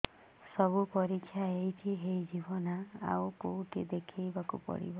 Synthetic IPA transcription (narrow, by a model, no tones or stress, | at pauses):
sɔbupɔɾikʰːjaejt̪ʰiɦejd͡ʒibɔnaa̰wkowʈʰid̪ekʰijbakṵpɔ̰ɽḭbɔ